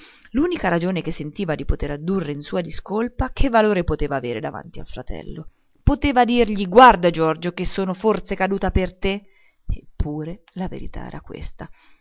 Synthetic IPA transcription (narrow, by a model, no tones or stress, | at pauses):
luːnikaɾad͡ʒoːnek̟esːent̪iːvad̪ipot̪eɾad̪urːeinsuːad̪iskolpakʰevːaloːɾepot̪eːvaːveːɾed̪ava̰nt̪ia̰lfɾat̪ɛ̰lːo | pot̪eːvad̪irʎiɡward̪ad͡ʒɔrd͡ʒok̟esːoːnofort̪sekad̪uːt̪apert̪e | epʰːuːɾe | lavḛɾḭt̪a̰ɛ̰ːɾakwḛst̪a